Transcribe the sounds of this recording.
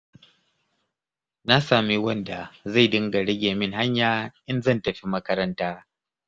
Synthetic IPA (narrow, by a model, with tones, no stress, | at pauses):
na˦saː˨mi˦wɐ˦nda˨za˦˨jdɪ˦ŋɡa˨ɽɪ˦ɡʲeː˨mɪ˦ŋha˦ɲjaː˦ʔɪ˦nzɐ˦˨ntɐ˨ɸi˦mɐ˦kɐ˦ɾɐ˦ntaː˦